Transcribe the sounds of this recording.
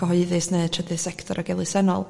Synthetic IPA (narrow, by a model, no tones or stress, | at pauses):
əɦɔɨðɨsneɨtʰrədɨsɛktʰɔɾʔaɡɛlˠɨsɛnɔlˠ